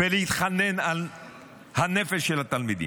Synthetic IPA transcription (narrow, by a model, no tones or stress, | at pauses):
velehit̪χanenal | hanefeʃːelhat̪almid̪ḭ